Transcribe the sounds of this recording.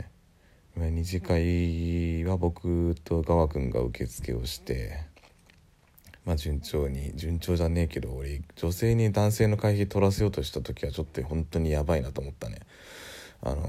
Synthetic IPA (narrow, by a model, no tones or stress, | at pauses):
imaiɲ̟iʑikai | βabo̞kɯ̟t̪o̞ɡaβakɯ̟̃ŋɡa̰ɯ̟̰ke̞t͡sɨ̥kʰe̞̰o̞ɕi̥t̪e̞ | mad͡ʑɨ̃ɲt͡ɕo̞ːɲ̟id͡ʑɨ̃ɲ̟t͡ɕo̞ːʑane̞ːke̞d̪o̞ːɾed͡ʑo̞se̞ːɲ̟id̪ãɰ̃se̞ːno̞kaiçit̪o̞ɾase̞jo̞ːt̪o̞ɕi̥t̪at̪o̞kʲiβat͡ɕo̞t̪ːohõ̞nt̪o̞ɲ̟ijabainat̪o̞ːmo̞t̪ːane̞̰ | a̰no̰